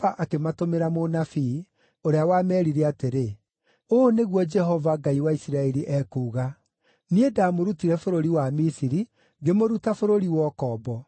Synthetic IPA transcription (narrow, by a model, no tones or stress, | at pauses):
aʔakematomeɾamonafi | oɾeawaːmɛːɾiɾɛateɾe | oneɣwɔd͡ʒɛɦɔvaɡaiwaisiɾaɛɾiʔɛkuːɣa | niedamoɾutiɾɛfoɾoɾiwamisiɾi | ɡemoɾutafoɾoɾiwɔkɔbɔ